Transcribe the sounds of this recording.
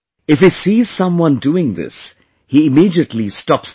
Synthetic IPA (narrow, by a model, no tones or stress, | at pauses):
ɪfhisiːz̥sʌ̃mwʌ̃nduɪ̃ŋðɪ̰s | hiɪmiːdiətlistɔps